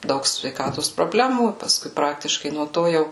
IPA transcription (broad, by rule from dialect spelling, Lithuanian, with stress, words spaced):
ˈdɐʊk sʲʋʲɛɪˈkɑːtoːs proːˈbʲlʲæːmuː pɐˈskʊɪ ˈprɑːktʲɪʃkɐɪ nuɔ ˈtoː ˈjɛʊ